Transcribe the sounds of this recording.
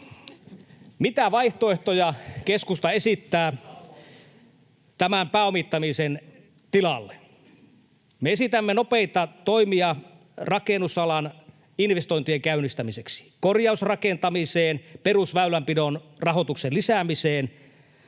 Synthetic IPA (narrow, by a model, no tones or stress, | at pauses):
mit̪æʋɑiht̪oe̞ht̪ojɑkeskust̪ɑesit̪ːæː | t̪æmæmpæːomit̪ːɑmisen | t̪ilɑlːe | meesit̪æmːenopeit̪ɑt̪oimiɑ | rɑkenusɑlɑn | inʋest̪oint̪ieŋkæynːˑist̪æmiseksi̥korjɑusrɑkent̪ɑmiseːnperusʋæylæmpidonrɑɦot̪ukselisæmiseːn